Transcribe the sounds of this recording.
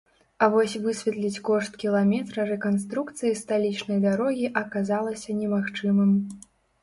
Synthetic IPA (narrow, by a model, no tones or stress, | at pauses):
ɐvɔsʲvɨsʲvʲɛt̪lʲit͡sʲkɔʂt̪kʲilˠamʲɛt̪ɾɐɾɛkanst̪ɾukt̪sɨjist̪alʲit͡ʂnɐjd̪aɾɔɣʲiʔɐkazalˠɐsʲɐnʲɛmaxt͡ʂɨmɨm